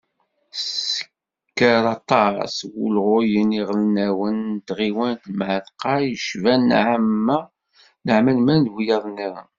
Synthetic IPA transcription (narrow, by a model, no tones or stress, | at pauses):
sə̥ | kːəɾɑt̪ˤɑswṵlʁojəniʁlnæwənt̪ʁiwænt̪mʕəðqɑjəʃvænʕəmːæ | nəʕməlmænd̪wijɑðˤniɾɑ̰